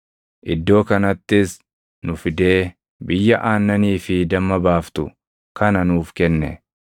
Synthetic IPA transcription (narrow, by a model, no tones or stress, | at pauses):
ʔɪd̪ːo̞ːkɐnɐt̪ːɪs | nʊfɪd̪e̞ː | bɪjːɐʔaːnːɐniːfɪd̪ɐmːɐbaːft̪ʊ̰ | kɐnɐnuːfkɛnːɛ̰